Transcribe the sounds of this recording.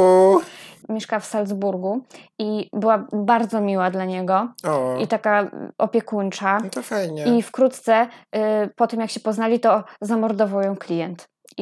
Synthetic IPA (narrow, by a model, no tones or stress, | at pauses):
u | mʲjeʂkafsald̪zbuɾɡu | ibɘwabaɾd̪zɔmʲiwad̪laɲɛɡɔɔit̪akaʔɔpʲjɛkunt͡ʂat̪ɔfajɲɛifkɾut̪t̪sɛ | pɔt̪ɛmjakɕɛpɔznalʲit̪ɔzamɔɾd̪ɔvawjɔ̃w̃klʲijɛnt̪